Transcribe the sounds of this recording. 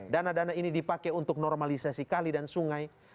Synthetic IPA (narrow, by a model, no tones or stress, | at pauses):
danadanainidipakɛunt̪ʊk̚nɔrmalisasikalidansuŋaj